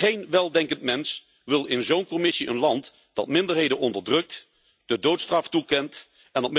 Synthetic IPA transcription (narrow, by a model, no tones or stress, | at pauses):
ejnʋɛlˠdɛŋkəntmɛns | ʋɪlˠɪnzownkɔmɪsiʔə̰nlɑnt | d̥ɑ̰tmɪndəɹɦejdənɔndəɹdrɵk̚t | d̥ədowtstrɑftukɛnt | ɛndɑtm